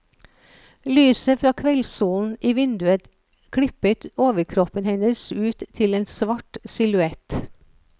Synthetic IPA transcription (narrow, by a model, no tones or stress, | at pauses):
lyːsəfɾɑːkʰʋɛlsuːln̩ʔiːʋɪnd̪ʉət̪ | kʰɽɪpət̪oːʋəɾkʰɾɔpənhɛnəsʉːt̪ʰːɪleːnsʋɑʈsɪlʉɛt̪